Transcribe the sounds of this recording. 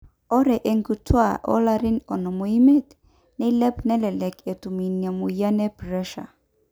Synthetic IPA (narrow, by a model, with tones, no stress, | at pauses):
ɔ˦ɾɛ˨ʔe˨ŋɡu˨tʰwa˦˨ʔɔ̰˦la˦ɾi˦nɔ˨nɔ˨mo˨i˦me˦t̪ | nɛ˦i˦lɛ˦pnɛ˦lɛ˨lɛ˨ke˨tu˨mi˨nja˨mu˨ja˦nɛ˦pɾɛ˦ʃa̰˨